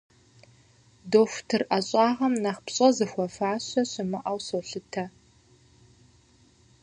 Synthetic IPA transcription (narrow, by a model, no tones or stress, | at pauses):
doːxʷtʰɨrʔɐɕʼɑːʁɐmnɐχpɕʼɐzɨxʷɔfaːɕɐɕɪmɨʔɐwsoɬɨtʰɐ